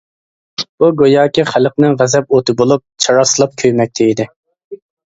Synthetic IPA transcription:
buɡojɑːkʲiχæləqnɪŋʁæzɛp̚ot̪ʰɨbolˠup̚t͡ʃʰɑɾɑsɨlˠɑp̚kʲʰøjmɛk̚ʲt̪ʰɪid̪ɪ

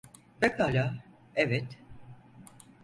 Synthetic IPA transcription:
bekaːlʲa | evɛt̪

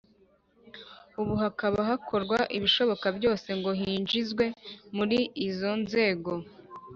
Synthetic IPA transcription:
uβuɦakaβaɦakʰo̞ɾɡwaʔiβiʃo̞βo̞kabjo̞ːse̞ŋɡo̞ɦiːnd͡ʒizɡwe̞muɾiizo̞nze̞ːɡo̞

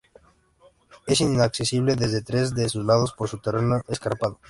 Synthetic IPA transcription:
esinaksesiβ̞leðezðet̪ɾe̞zðesuzlað̞ospoɾsut̪erenoeskaɾpaðo

